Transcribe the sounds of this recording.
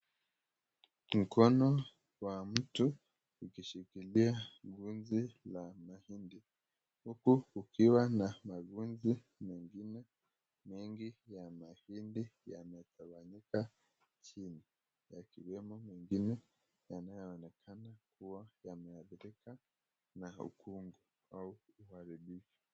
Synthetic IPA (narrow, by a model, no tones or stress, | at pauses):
m̩kɔnɔ | wam̩tu | ukiʃikiliaɡunzilamahindi | hukuːkiwanamaɡunzi | mɛŋɡinɛ | miŋɡijamahindijanɛtaβaɲika | t͡ʃini | jakiwɛmɔmɛŋɡinɛ | janajɔɔnɛkʰanakuwajamɛaðiɾika | naṵkuŋɡu | auːhaɾiɓifu̥